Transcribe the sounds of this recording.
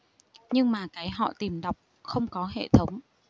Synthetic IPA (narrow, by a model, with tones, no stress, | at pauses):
ɲɨ˧ŋmaː˨˩kaː˨˦jɦɔ̰˧˨t̪i˨˩mɗa˨˩wk͡p̚ | xə˧wŋ͡mkɔ˨˦ɦḛ˧˨t̪ʰə˨˦wŋ͡m